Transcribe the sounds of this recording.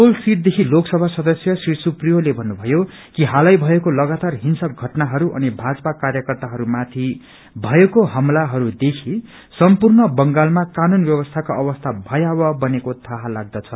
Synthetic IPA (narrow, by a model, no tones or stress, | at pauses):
solsiʈ̚d̪ekʰiloksʌbʱasʌd̪ʌsjʌsrisuprjolebʱʌnːubʱʌjo | kiɦalʌjbʱʌekolʌɡat̪arɦinsʌk̚ɡʱʌʈnaɦʌɾuʔʌ̰nibʱad͡zʌpakarjʌkʌrt̪aɦʌɾumat̪ʰi | bʱʌekoɦʌmlaɦʌɾud̪ekʰi | sʌmpurnʌbʌŋɡalmakanunbjʌwʌst̪ʰakaʌbʌst̪ʰabʱʌjawʌbʌnekot̪ʰaɦalaɡ̚d̪ʌt͡sʰʌ